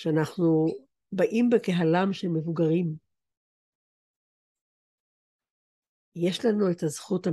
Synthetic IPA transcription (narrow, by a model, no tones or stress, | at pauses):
ʃeanaχnu | baʔimbekeɦalamʃelme̞vuɡaʁim | je̞ʃlanue̞tazχuta